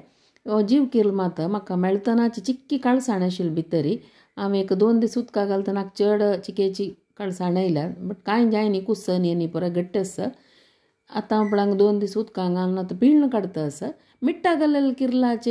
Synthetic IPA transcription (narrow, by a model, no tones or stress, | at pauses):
od͡ʑiːʋkiɾlmat̪əmakːamɛɭt̪ənat͡ɕit͡ɕikːikaɭsaɳaɕilbʱit̪əɾi | aʋekəd̪ond̪isut̪kaɡalt̪ənak̚t͡ʃəɽt͡ɕiket͡ɕi | kaɭsaɳajlabəʈkajd͡ʒajnikusənjenipuɾaɡəʈːəsə | a̰t̪ãpɽãŋɡd̪ond̪isut̪kãŋɡalnat̪əpiːlnəkəɽt̪əːsə | miʈːaɡələlkiɾlat͡ɕe